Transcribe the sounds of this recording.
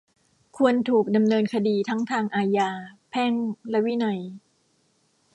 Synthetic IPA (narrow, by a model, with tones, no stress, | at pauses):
kʰu˧ənt̪ʰuː˨˩k̚da˧mnɤː˧nkʰa˧diː˧t̪ʰa˦˥ŋt̪ʰaː˧ŋʔaː˧jaː˧pʰɛ˥˩ŋlɛ˦˥wi˦˥nɔ˨˩j